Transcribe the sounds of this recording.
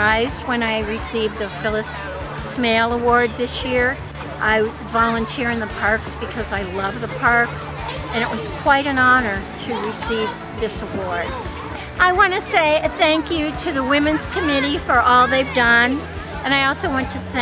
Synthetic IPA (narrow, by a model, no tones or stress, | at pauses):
aɪzd̚wə̃naɪɹɨsivðɨfɪlˠəs | meɪlˠəwɔɹd̪̚ðɪsjɪɹ | ʔaɪ | vɑlˠə̃ntʰɪɹɨ̃nðəpʰɑɹksb̥ɨkʰʌzaɪlʌvðəpʰɑɹks | ɨ̃ñɨʔwʌz̥kʰw̥aɪɾɨ̃nɑnə˞ɾɨɹɨsiv | ðɪsəwɔɹd | ʔaɪwɑ̃ñɨseɪθæ̃ŋkjɨɾɨðəwɪ̃mɨ̃nz̥kʰɨmɪɾifə˞ʔɔlˠðeɪvdʌ̃n | ɨ̃naɪɔlˠsoʊwɛ̃ntʰɨθæ